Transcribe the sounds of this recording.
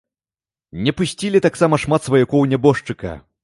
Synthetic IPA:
nʲɛpusʲt͡sʲilʲit̪aksamɐʂmat̪svɐjakɔwnʲɛbɔʂt͡ʂɨkɐ̰

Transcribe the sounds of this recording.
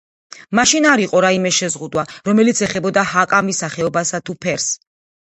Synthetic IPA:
maʃinaɾiqʼɔɾaimɛʃɛzʁud̪waɾɔmɛlit̪sʰɛχɛbɔd̪ahakʼamisaχɛɔbasat̪ʰupʰɛɾs

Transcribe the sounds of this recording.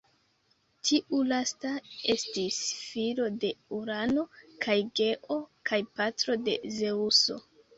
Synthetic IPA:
tʰiʔulastae̞stisfilo̞de̞uɾano̞kʰajɡe̞ʔo̞kʰajpatɾo̞de̞̰ze̞uso̞̰

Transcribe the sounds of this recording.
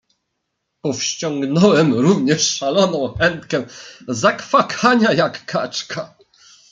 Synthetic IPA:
pɔfɕt͡ɕɔŋɡnɔwɛmɾuvɲɛʂːalɔnɔ̃w̃xɛnt̪kɛzakfakʰaɲajakːa̰t͡ʂkʰa

